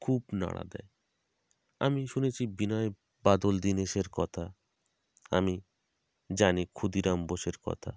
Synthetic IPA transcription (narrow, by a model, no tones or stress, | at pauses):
kʰubna̰ɽa̰d̪ɛ̰e | a̰miʃunet͡ɕʰibinae | bad̪old̪ineʃeɾkɔt̪ʰa | a̰mi | d͡ʑanikʰud̪iɾamboʃeɾkɔ̰t̪ʰa̰